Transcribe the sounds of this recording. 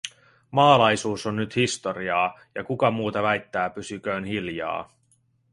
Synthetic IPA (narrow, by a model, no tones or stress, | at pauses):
mɑːlɑjsuːso̞nːyt̪hist̪o̞ɾiɑː | jɑ̰kukɑmuːt̪ɑʋæjt̪ːæːpysyk̟øːnɦiljɑ̰ː